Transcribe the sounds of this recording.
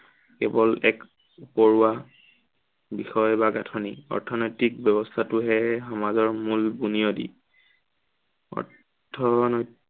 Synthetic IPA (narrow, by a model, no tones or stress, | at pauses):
kɛbɔlɛk | upɔɹuwa | bixɔjbaɡatʰɔniɔ̰ɹtʰɔnɔjtik̚bjɔbɔstʰatʊɦɛxɔmazɔɹmulbunijɔdḭ | ɔ̰ɹtʰ | ɔnɔj